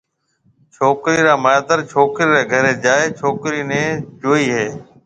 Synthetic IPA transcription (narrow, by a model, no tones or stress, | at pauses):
t͡ʃʰoːkɾiːɾaːmajd̪əɾt͡ʃʰoːkɾiːɾeːɡʱəɾeːd͡ʒaːeːt͡ʃʰoːkɾiːnẽːd͡ʒoːiːɦeː